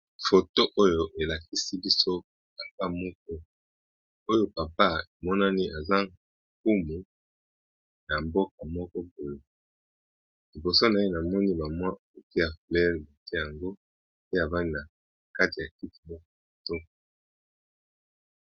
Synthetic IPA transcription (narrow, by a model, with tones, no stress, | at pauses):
fo˨to˦ʔo˦jo˨ʔe˨la˨ki˦si˦bi˦so˦ | pa˨pa˦mɔ˦k̚ɔ˦ | o˦jo˦pa˨pa˦e˨mɔ˦na˦ni˦a˨za˦˨ | ku˦mu˨ | na˨mbo˦ka˨mɔ˦kɔ˦po˨lo˨ | li˨bo˨so˦na˨e˦na˨mɔ˦ni˦ba˨mwa˦˨o˨ti˦ja˨flɛ˦lba˨te˦˨ja˨ŋɡo˦ | pe˦a˨va˦ni˦na˨ | ka˦ti˨ja˨ki˦ti̥˨mɔ˦kɔ˦o˨to˦